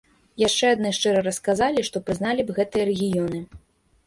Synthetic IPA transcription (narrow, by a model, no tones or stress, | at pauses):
jaʂt͡ʂɛad̪nɨʂt͡ʂɛɾɐɾɐskazalʲiʂt̪ɔpɾɨznalʲibɣɛt̪ɨjɐɾɛɣʲijɔnɨ